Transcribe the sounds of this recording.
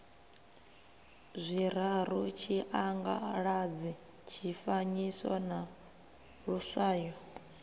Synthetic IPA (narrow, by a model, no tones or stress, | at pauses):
zʷiɾ̤aɾ̤ut͡ʃʰiʔaŋɡa̰ɺad͡zi | t͡ʃʰifaɲisa̰na | ɺusʷaːjɔ